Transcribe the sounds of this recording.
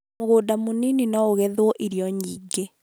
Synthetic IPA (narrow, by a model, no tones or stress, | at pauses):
oɣoːdamonininɔoɣɛðwɔʔiɾijɔɲiːɡe